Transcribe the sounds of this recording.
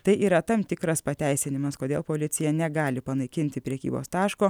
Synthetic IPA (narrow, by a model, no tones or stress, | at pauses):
t̪ɐɪʔiːɾɐt̪ɐmt̪ʲɪkɾɐspɐt̪ʲæˑɪsʲɪnʲɪmɐskoːd̪ʲeːlˠpoːlʲɪt̪sʲɪjɛnʲɛɡɑːlʲɪpɐnɐɪkʲɪnʲt̪ʲɪpʲɾʲɛkʲḭːbo̰ːst̪ɑːʃkoː